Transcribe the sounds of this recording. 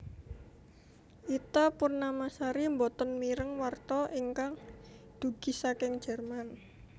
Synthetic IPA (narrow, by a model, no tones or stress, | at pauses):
ʔit̪apʊrnamasaɾimbɔt̪ɔnmiɾəŋwart̪ɔʔiŋkaŋ | d̪̥ṳɡ̥i̤sakɪŋ̥d͡ʒ̥ə̤rman